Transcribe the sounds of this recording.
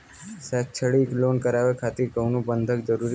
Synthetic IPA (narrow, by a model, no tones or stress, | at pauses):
sɛk̚t͡ʃʰəɽiklonkəɾaʋekʰat̪iɾkəwnũbənd̪ʱəkd͡ʒəɾuɾi